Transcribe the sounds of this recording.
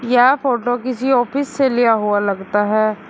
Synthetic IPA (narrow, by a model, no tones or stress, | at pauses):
jaːfoːʈokɪsiɔːfɪsːelijaɦualɐɡt̪aɦɛː